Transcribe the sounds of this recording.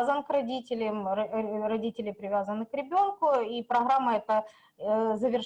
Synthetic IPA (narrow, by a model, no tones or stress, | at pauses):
zənkrɐdʲitʲɪlʲɪmrɐdʲitʲɪlʲɪpɾʲɪvʲazənɨkɾʲɪbʲo̞nkʊipɾɐɣɾamːəɛt̪ə | zəvʲɪrʂ